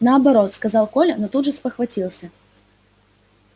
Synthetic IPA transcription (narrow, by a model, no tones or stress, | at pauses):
nɐːbaɾɔt̪skazalˠkɔlʲɐnɔt̪ud̪ʐɐspɐxvat͡sʲilˠsʲɐ